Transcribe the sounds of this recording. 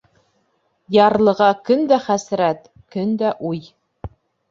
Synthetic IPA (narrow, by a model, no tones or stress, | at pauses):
jɑɾlˠɤ̆ʁɑkɵnd̪æχæsɾæt̪ | kɵnd̪æʔuj